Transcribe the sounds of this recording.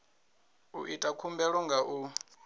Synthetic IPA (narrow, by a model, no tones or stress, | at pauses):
ṵʔitʼakʰumbɛɺɔŋɡʱaʔu